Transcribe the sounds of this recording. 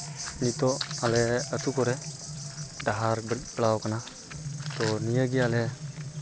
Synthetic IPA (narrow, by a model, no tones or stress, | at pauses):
nit̪ɔalɛət̪ukɔɾɛ | ɖaɦaɾbətbəɭawkana | t̪ɔnijəɡialɛ